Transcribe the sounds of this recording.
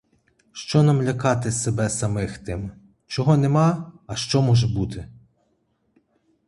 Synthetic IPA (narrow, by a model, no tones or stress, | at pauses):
ʃt͡ʃɔnɐmlʲɐkɑt̪ɪsebɛsɐmɪxt̪ɪm | t͡ʃɔɦɔnemɑɐʃt͡ʃɔmɔʒɛbut̪ʰɪ